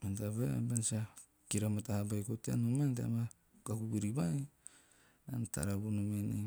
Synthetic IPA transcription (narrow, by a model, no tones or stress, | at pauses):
mentaβea̰bensa | kiɾamatahabajkotia̰numentea̰ma | kakubiɾibaj | anta̰ɾabunumene